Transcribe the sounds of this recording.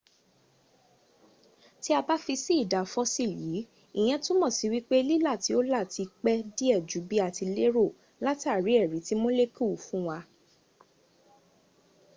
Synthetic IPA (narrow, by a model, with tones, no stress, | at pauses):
ti˦a˧ba˦fi˧si˦i˦˨da˨fɔ˧˦si˦˨jiː˨˦ | i˨j̃ɛ̃˧tũ˦mɔ̃˦˨si˨˦wi˦k͡pe˦li˦la˦˨ti˨˦o˦la˦˨ti˧k͡pɛ˦di˦ɛ˦˨d͡ʒu˨˦bi˦a˨ti˧le˦ɾo˦˨ | la˦ti˦a˦˨ɾi˨˦ɛ˦˨ɾi˨˦ti˦mo˦le˦ki˦˨u˨fũ˦wa˧